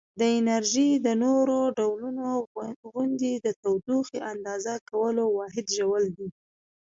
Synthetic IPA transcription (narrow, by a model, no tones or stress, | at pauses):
d̪əɪnaɾʒid̪ənoɾoɖawlunoɣʊnd̪id̪ət̪awd̪uxeʔand̪ɑzakawəlowɑɦɪd̪ʒawəld̪i